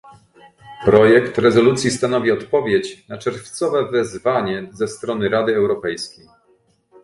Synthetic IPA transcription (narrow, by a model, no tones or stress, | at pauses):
pɾɔjɛkt̪ɾɛzɔlut̪sʲjist̪anɔvʲiɔt̪pɔvʲjet͡ɕnat͡ʂɛɾft̪sɔvɛvɛzvaɲɛzɛst̪ɾɔnɘɾad̪ɘɛwɾɔpɛjskʲej